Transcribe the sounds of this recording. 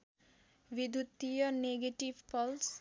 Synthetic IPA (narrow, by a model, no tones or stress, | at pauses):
bid̪ʱut̪ːijɔneɡeʈibpɔls